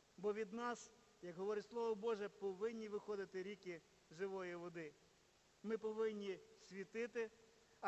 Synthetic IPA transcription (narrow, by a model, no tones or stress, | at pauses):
bɔʋʲid̪nɑs | jɐkɦɔʋɔɾɪtʲslˠɔʋɔbɔʒɛpɔʋɪnʲːiʋɪxɔd̪ɪt̪ɪɾʲikɪ | ʒɪʋɔjiʋɔd̪ɪ | mɪpɔʋɪnʲːisʲʋʲit̪ɪt̪ɪ